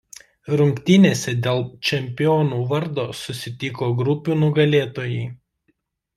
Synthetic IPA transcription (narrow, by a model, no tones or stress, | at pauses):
ɾʊŋʲkt̪ʲɪnʲeːsʲɛd̪ʲeːlˠt͡ʃʲɛmʲpʲɪjoːnuːʋɐɾd̪oːsʊsʲɪt̪ʲɪkoːɡɾʊpʲuːnʊɡɐlʲeːt̪oːjɛɪ